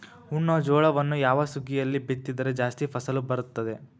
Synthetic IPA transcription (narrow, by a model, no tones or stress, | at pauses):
uɳːɔd͡ʒɔːɭɐʋɐnːujaːʋɐsuɡijɐlːibit̪ːid̪ɐɾe̞d͡ʒaːst̪ipʰɐsɐlubɐɾut̪ːɐd̪e̞